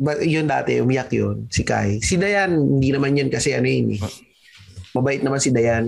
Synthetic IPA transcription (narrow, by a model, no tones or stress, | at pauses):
bajond̪a̰ːt̪ɛ̰ʔʊmɪjakjonsɪka̰jsɪd̪ɐjanhɪnd̪inɐmanjonkɐsɛʔɐnojɪnɛ | mɐbaːʔɪt̪nɐmansɪd̪ɐjan